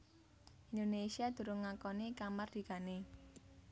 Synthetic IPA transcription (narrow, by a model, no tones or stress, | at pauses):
ʔind̪onesiad̪̥ṳɾʊŋːakɔnikamard̪̥i̤ka̤ne